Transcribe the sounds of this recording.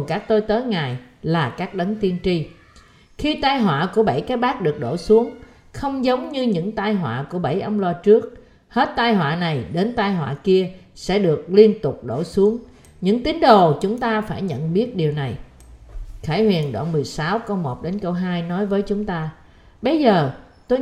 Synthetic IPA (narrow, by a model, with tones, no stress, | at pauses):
nkaː˦˥k̚t̪o˧jt̪əː˨˦jŋaː˨˩jlaː˨˩kaː˦˥k̚ɗə˨˦ŋt̪i˧ənt͡ɕi˧ | xi˧t̪aː˧jɦwa̰ː˧˨ku˧˩əɓə˧˩jka˨˦jɓaː˦˥k̚ɗɨ˨˩ək̚ɗo˧˩su˨˦əŋ | xə˧wŋ͡mzə˨˦wŋ͡mɲɨ˧ɲɨ̰˧˥ŋt̪aː˧jɦwa̰ː˧˨ku˧˩əɓə˧˩jʔə˧wŋ͡mlaː˧t͡ɕɨ˦˥ək̚ | he˦˥t̚t̪aː˧jɦwa̰ː˧˨na˨˩jɗe˨˦nt̪aː˧jɦwa̰ː˧˨ki˧əsɛ̰˧˥ɗɨ˨˩ək̚li˧ənt̪ʊ˨˩k͡p̚ɗo̰˧˩su˨˦əŋ | ɲɨ̰˧˥ŋt̪i˨˦ŋ̟ɗo˨˩t͡ɕʊ˨˦ŋ͡mt̪aː˧faː˧˩jɲə̰˧˨nɓi˦˥ət̚ɗi˨˩əwna˨˩j | kʰaː˧˩˦jhwḭ˨˩ənɗwa̰ː˧˨nmɨ˨˩əjsaː˨˦wkə˧wmo˨˩t̚ɗe˨˦nkə˧wɦaː˧jnɔ˨˦jvəː˨˦jt͡ɕʊ˨˦ŋ͡mt̪aː˧ | ɓə˧jzəː˨˩ | t̪o˧j